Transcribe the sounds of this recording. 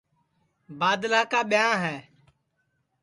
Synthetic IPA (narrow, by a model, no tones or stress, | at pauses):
baːd̪laːkaːɓɪjãːɦɛː